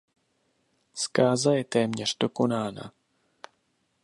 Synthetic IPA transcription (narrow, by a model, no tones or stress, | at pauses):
skaːzajɛt̪ɛːmɲɛr̝do̞ko̞naːna̰